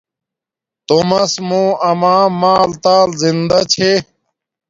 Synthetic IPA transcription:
t̪oːmɐsmũːɐmãːmaːlt̪aːlzind̪ɐt͡ɕʰe

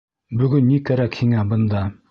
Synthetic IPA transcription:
byɡʲynːikʲæɾækʲhiŋæbɨnd̪ɑ

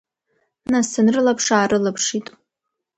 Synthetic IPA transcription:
nasanrɨlapʰʂaːɾɨlapʰʂitʼ

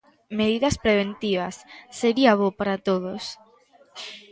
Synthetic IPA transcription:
meðiðɐspɾeβent̪iβɐsːeɾiaβopaɾat̪oðos

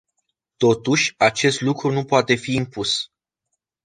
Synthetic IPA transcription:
t̪o̞t̪uʃʲat͡ʃe̞st̪lukɾunupoat̪e̞fiːmpus

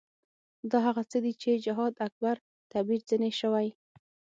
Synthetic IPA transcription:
d̪ɑɦaɣat͡səd̪it͡ʃed͡ʒɪɦɑd̪ak̚baɾ | t̪abiɾzəneʃəwaj

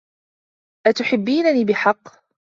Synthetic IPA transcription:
ʔat̪ʊħɪbːiːnaniːbɪħɑqː

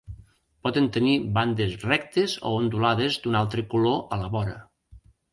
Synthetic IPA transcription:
pɔðent̪əniband̪esrɛkt̪ezo̰ond̪ulaðezd̪unalˠt̪ɾəkuloʔələβɔɾə̰

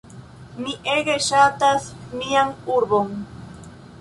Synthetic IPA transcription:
niʔeɣeʃat̪asmiaŋuɾboŋ

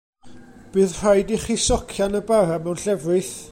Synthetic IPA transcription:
b̥ɨːðr̥ajdiχisɔkʰjanəbaɾamɛwnɬɛvrɨθ

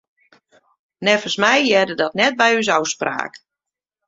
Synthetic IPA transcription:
nɛfəsmɛjjɛdədɔtnɛt̚bɛjys̬ɔwspra̰ːk

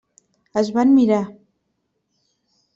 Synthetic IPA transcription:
əzβanmiɾa

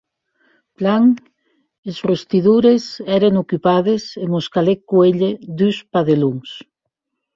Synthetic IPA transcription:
plaŋ | esrust̪iðuɾesɛɾeŋokypaðesemoskalekːueʎeðuspaðeluŋs

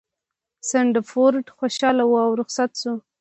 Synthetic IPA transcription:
sɪɳɖəfoɾʈxoʃɑlawuawɾʊxsat̪su

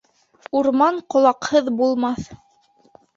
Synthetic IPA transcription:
uɾmɑɴqŏlˠɑqhɤðbulˠmɑθ

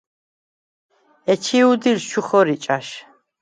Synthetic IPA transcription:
ɛt͡ʃʰiud̪ilʃuχɔɾit͡ʃʼaʃ

